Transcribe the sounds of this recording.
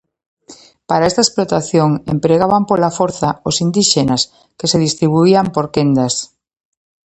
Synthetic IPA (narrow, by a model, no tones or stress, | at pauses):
paɾaest̪aesplot̪aθjoŋḛmpɾeɣaβampolafoɾθaosind̪iʃenas | keseð̞ist̪ɾiβ̞uiampoɾkend̪as